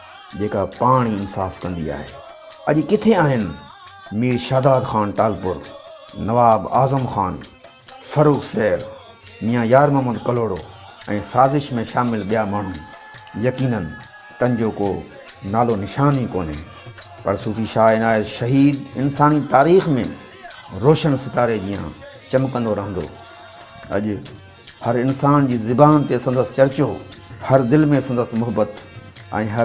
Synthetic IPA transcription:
d͡ʑeːkapaːɽ̃iɪnsaːfkɐ̃nd̪ḭa̰ːɦḛː | ɐʄkɪt̪ʰeaːɦɪn | miːɾʃaːd̪aːd̪xaːnʈaːlpʊɾ | nɐʋaːbaːzəmxaːn | fɐɾuːɣsɛːɾ | mĩjãjaːɾmɐːməd̪̚kɐloːɽo | ɛ̃ːsaːzɪʃmẽʃaːmɪlɓijamaːɳ̤ʊ̃n | jɐkiːnən | t̪ɐ̃ɲɪd͡ʑoːkoː | naːlonɪʃaːnɦiko̰ːnḛ | pɐɾsuːfiʃaːɪnaːeʃɐɦiːd̪ɪnsaːnit̪aːɾiːxmḛ̃ | ɾoːʃənsɪt̪aːɾed͡ʑijã̰ | t͡ɕɐmkɐ̃nd̪oɾɐɦə̃nd̪o̰ː | ɐ̰ʄʊ | hɐɾɪnsaːnd͡ʑiːzɪbaːnt̪esɐ̃n̆d̪əst͡ɕɐɾt͡ɕohɐɾd̪ɪlmẽsɐ̃nd̪əsmʊɦəbət̪ | ɛ̰̃ːɦɐ

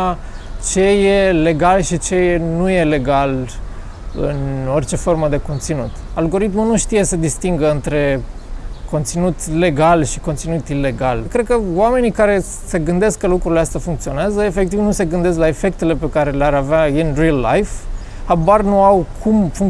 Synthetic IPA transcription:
t͡ʃe̞je̞le̞ɡalʃit͡ʃe̞jnuje̞le̞ɡal | ɨ̰no̞rt͡ʃe̞fo̞rməd̪e̞ko̞nt̪sinut̪alɡo̞ɾit̪munuʃt̪ije̞sed̪ist̪iŋɡəɨnt̪ɾe̞ | ko̞nt̪sinut̪le̞ɡalʃiko̞nt̪sinut̪ile̞ɡalkɾe̞d̪̚kəwame̞nikaɾe̞ | se̞ɡɨnd̪e̞skkːəlukɾuleast̪ʲafuŋk̚t̪sio̞neazəefe̞kt̪ivnuse̞ɡɨnd̪e̞s̬klae̞fe̞k̚t̪e̞le̞pe̞kaɾe̞leaɾaveainrilːa̰jf | habarnuawkʰumfuŋk

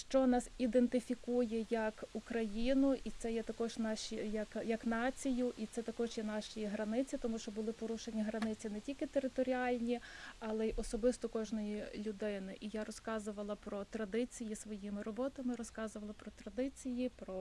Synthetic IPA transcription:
ʃt͡ʃɔnɑsid̪ent̪ɪfʲikujɛjɐkukɾɐjinʊʔit̪sɛjɛt̪ɐkɔʒnɑʃijɐkjɐknɑt͡sʲijʊʔit̪sɛt̪ɐkɔʒjɛnɑʃijiɦɾɐnɪt͡sʲit̪ɔmuʃt͡ʃɔbʊlˠɪpɔɾuʃenʲːiɦɾɐnɪt͡sʲinɛtʲilʲkɪt̪eɾɪt̪ɔɾʲiɑlʲnʲiɑlˠɛiʔɔsɔbɪst̪ɔkɔʒnɔjilʲʊd̪ɪnɪʔijaɾɔskɑzʊʋɐlˠɐpɾɔt̪ɾɐd̪ɪt͡sʲijisʋɔjimɪɾɔbɔt̪ɐmɪɾɔskɑzʊʋɐlˠɐpɾɔt̪ɾɐd̪ɪt͡sʲijipɾɔ

